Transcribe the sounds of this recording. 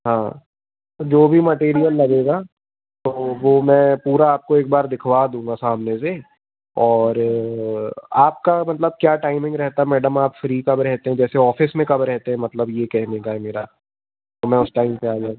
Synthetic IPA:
ɦãː | d͡ʒoːbʱimɐʈeːɾijəlːɐɡeːɡaː | t̪oʋoːmɛ̃puːɾaaːp̚koeːk̚baːɾd̪ɪkʰʋad̪ũːŋɡasaːmnese | ɔːɾ | aːp̚kamɐt̪ləb̚kjaːʈaːɪmɪ̃ŋɡɾɛɦt̪aɦɛmɛːɖəmaːpfɾiːkɐbɾɛɦt̪eɦɛ̃d͡ʒɛːseɔːfɪsmẽkɐbɾɛɦt̪eɦɛ̃mɐt̪ləbjekɛɦnekaɦɛmeːɾa | t̪omɛ̃ʊsʈaːɪmpeaːd͡ʒa

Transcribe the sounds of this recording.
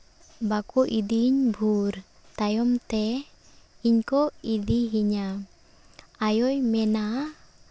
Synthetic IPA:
bakɔʔid̪iɲbʱuɾ | t̪ajɔmt̪ɛ | iɲkɔid̪iɦiɲa | ajɔjmɛna

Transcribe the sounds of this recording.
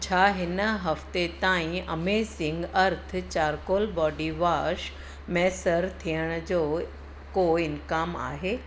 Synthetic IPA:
t͡ɕʰaːɦɪnəɦɐft̪et̪aːĩɐmesɪ̃ŋɡɐɾt̪ʰt͡ɕaːɾkoːlbɔːɖiʋaːʃ | mɛːsəɾt̪ʰijəɽ̃d͡ʑoː | koɪnkaːma̰ːɦeː

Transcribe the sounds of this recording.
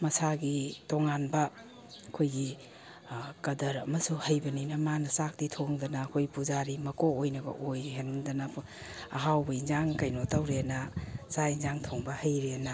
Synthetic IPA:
mɐsaɡitoŋanbɐ | ɐkʰojɡi | kɐdɐɾɐmɐsuhɐjbɐninɐmanɐsak̚ditʰoŋdɐnɐːkʰojpuzaɾimɐkoojnɐɡɐ̰ʔojɦenndɐnɐ | ɐ̰ɦawbɐinzaŋkɐjnotɐwɾeanɐsainzaŋtʰoŋbɐhɐjɾeanɐ

